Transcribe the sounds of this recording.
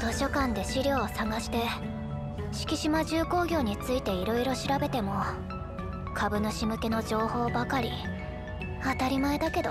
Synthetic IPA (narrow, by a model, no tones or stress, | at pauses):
t̪o̞ɕo̞kãnd̪e̞ɕiɾʲo̞ːsaŋaɕi̥t̪e̞ | ɕi̥kʲiɕimaʑɨːko̞ːɡʲo̞ːɲ̟it͡sɨit̪e̞iɾo̞iɾo̞ɕiɾabe̞t̪e̞mo̞ | kʰabɯ̟no̞ɕimɯ̟ke̞no̞d͡ʑo̞ːho̞ːbakaɾʲi | at̪aɾʲimae̞d̪ake̞d̪o